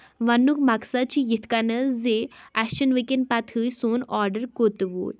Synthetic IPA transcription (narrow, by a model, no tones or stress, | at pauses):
ʋɐnːukmaksat͡ɕijit̪ʰkanəzeæʃənʋikenpat̪ʰɨjsoːnɔɾɖəɾkot̪ʋo̰